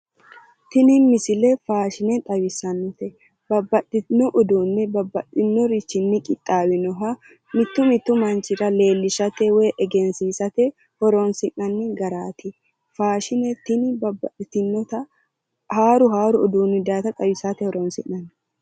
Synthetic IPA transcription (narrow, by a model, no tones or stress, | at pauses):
t̪ɪnɪmɪsɪlɛfaːʃɪnɛt̪ʼɐwɪsɐnːɔt̪ɛ | bɐbːɐtːɪnɔʔɔd̪uːnːɛbɐbːɐt̪ːɪnːɔɾɪt͡ʃːɪnːɪkʼɪt̪ʼːaːwɪnɔɦɐ | mɪt̪ːʊmɪt̪ːʊmɐnt͡ʃɪɾɐle̞ːlːɪʃɐt̪ɛweːʔɛɡɛnsiːsɐt̪ɛ | hɔɾoːnsɪʔɐnːɛɡɐɾaːt̪ɪ | faːʃɪnɛt̪ɪnɪbɐbɐ̰ᶑɪt̪ɪnːɔt̪ɐ | haːɾʊɦaːɾʊɔd̪uːnːɪd̪aːt̪ɐt̪ʼɐwɪsat̪ɛhɔɾoːnsɪnːɐn